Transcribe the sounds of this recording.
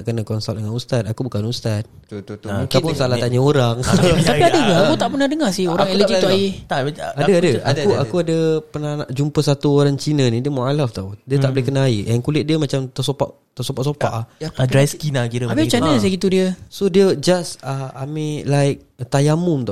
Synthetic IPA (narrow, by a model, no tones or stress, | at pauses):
ʔkənakɔnsal̚dəŋanust̪at̪̚akubukanust̪at̪̚ | kapʊnsalat̪aʔɲaoɾaŋt̪aiadəɡəakut̪aʔpənahdəŋasɪhoɾaŋeləd͡ʒiuajiaadəadəauakuadəpənanaʔd͡ʒumpəsat̪uoɾaŋt͡ʃinənĩdiəmualaft̪audiət̪aʔbəlɛhkənaiʔɛankulɪt̪̚diəmat͡ʃamt̪əsopa̰ʔ | t̪əsopaʔsopa̰ʔhdɾajskinakiɾəabit͡ʃanəs̬aɡit̪udiəsodiəd͡ʒasaamĩlaɪk̚t̪ajamumnt̪o